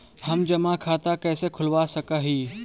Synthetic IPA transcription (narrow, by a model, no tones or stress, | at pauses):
hɐmd͡ʒɐmakʰaːt̪akɛːsekʰʊlwasɐkaɦiː